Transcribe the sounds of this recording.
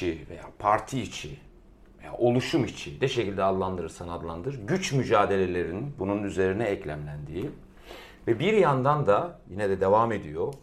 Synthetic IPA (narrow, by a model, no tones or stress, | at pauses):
ivejaːpʰaɾt̪ʰiːt͡ʃʰi | veja̰ːʔo̞lˠuʃumit͡ʃʰid̪ɛʃecilʲd̪ɛad̪lˠand̪ɯɾɯɾsanɯad̪lˠand̪ɯɯɾɟyt͡ʃmyd͡ʒaːd̪e̞lʲe̞lʲe̞ɾinbununyze̞ɾinɛːclʲæmlʲænd̪iː | vɛbiɾjand̪and̪ajinɛd̪ɛd̪e̞vaːme̞d̪ijo